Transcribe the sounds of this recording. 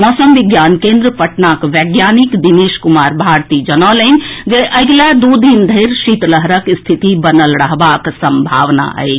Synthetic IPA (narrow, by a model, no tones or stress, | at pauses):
mɔːsəmʋiɡjankẽnd̪ɾəpəʈnakʋɛɡjaːnikd̪ineːʃkumaːɾbʱaɾt̪id͡ʒənɔlənʲd͡ʒeʔəɡlad̪ud̪ind̪ʱəɾʃit̪ləɦɾəkst̪ʰit̪ibənəlɾəɦbaksəmbʱa̰ːʋna̰ə̰et͡ʃʰ